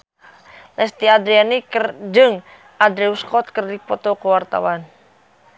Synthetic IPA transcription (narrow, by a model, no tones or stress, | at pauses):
lɛst̪iad̪ɾianikərd͡ʒəŋ | ad̪ɾeuskɔt̪̚kərdipɔt̪ɔkuwart̪a̰wan